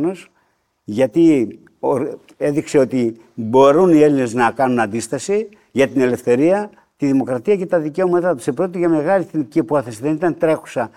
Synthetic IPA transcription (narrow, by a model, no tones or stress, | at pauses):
no̞s | ʝɐt̪i | o | e̞ðikse̞o̞t̪i | bo̞ɾunie̞line̞znɐkɐnunɐnd̪ist̪ɐsi | ʝɐt̪ine̞le̞fθe̞ɾiɐ | t̪iðimo̞kɾɐt̪iɐce̞t̪ɐðice̞o̞mɐt̪ɐt̪u̥sepɾo̞t̪iʝɐme̞ɣɐliθniciɐpuɐθesiðe̞nit̪ɐnt̪ɾe̞xu̥sɐ